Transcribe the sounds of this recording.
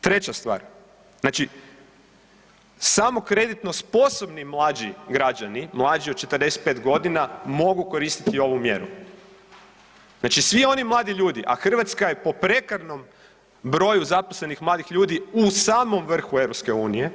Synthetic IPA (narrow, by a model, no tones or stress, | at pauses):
t̪ɾe̞t͡ɕast̪ʋa̰ːɾ | znaːt͡ʃi | samo̞kɾe̞d̪it̪no̞spo̞so̞bnimlˠaːd͡ʑiɡɾad͡ʑanimlˠaːd͡ʒiod̪̚t͡ʃe̞t̪ərd̪eset̪̚pet̪ɡo̞d̪inamo̞ɡuko̞ɾist̪i̥t̪io̞ʋumjḛɾṵ | znat͡ʃisʋio̞nimlˠaːd̪iʎuːd̪iʔa̰xr̩ʋat̪skajepo̞pɾe̞kaɾno̞m | bɾo̞juzaposle̞nixmlˠaːd̪ixʎuːd̪iusaːmo̞mʋr̩xueʋɾopske̞uːnije̞